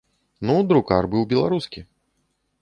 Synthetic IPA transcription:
nud̪ɾukarbɨwbʲɛlˠaɾuskʲi

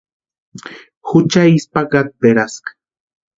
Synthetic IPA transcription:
xʊt͡ʃaispaɡat̪̚beɾaskḁ

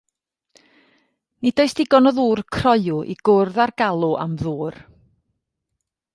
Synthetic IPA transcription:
nidoɨsd̥ɪɡɔnɔðuːrkʰrɔɨʊʔḭɡ̥ʊrðarɡ̥alˠuʔa̰mðuːr

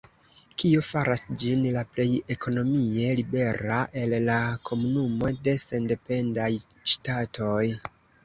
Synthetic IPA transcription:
kio̞faɾʔasd͡ʒinlaple̞je̞kʰo̞no̞mie̞libe̞ɾaʔe̞lːakʰo̞munumo̞de̞se̞nde̞pe̞ndaj | ʃtatʰo̞j

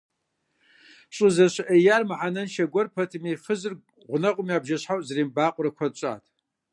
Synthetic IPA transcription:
ɕʼɨzɐɕʔɐjarmɨħanɐnʃɐɡʷɔrpʰɐtʰɨmifɨzɨr | ʁʷʊnɐqʷʼʊmiaːbʒɐɕħawʔʼzɐriːmbaːqʷʼʊrɨkʷʰɐd̚t͡ʃʼa̰ːtʰ

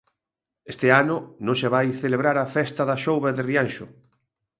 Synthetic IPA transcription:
est̪eanʊnõŋseβajθeleβɾaɾafɛst̪ɐðɐʃowβaðɪrianʃʊ

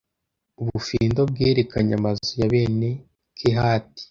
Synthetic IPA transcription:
uβufiːndo̞b̚ɡeːɾekaɲamazojaβe̞ːne̞ | kʰeɦaːti̥

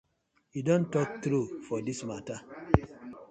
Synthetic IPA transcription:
jidõntɔk̚tɾufɔdismata

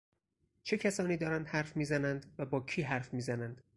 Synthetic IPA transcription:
t͡ʃʰe̞cʰæsɒːniːd̪ɒːɾænd̪̥hæɾfmiːzænænd̪væbɒːcʰiːɦæɾfmiːzænænd̪̥

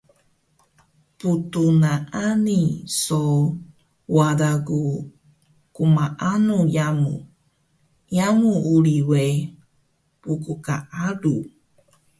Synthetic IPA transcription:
putunaʔaniso | wadaɡu | kumaʔanujamṵ | jamuuɾiwe | pukuka̰ʔaɾu

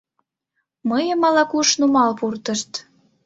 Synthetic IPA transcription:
məjə̆mɑlɑkuʃnumɑlpurt̪ə̆ʃt̪

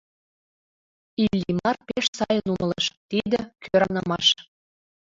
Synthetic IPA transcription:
ilʲːimɑrpeʃsɑjənuməleʃt̪id̪ĕkʰøɾɑnɤmɑʃ

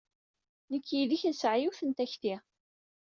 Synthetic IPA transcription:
nəkːjiðiçæsʕjuθənt̪æçt̪i

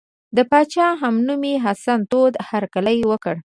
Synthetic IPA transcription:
d̪əpɑt͡ʃɑɦamnumiɦasant̪od̪haɾkaləjwəkəɽ

